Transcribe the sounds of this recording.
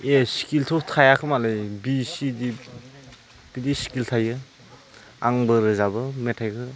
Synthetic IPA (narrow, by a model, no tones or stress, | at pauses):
esi̥kiltʰɔktʰajakʰɯmalɯjbisidi | bidisi̥kiltʰajɯ | a̰ŋbɯɾɯzabɯmetʰajkʰɯ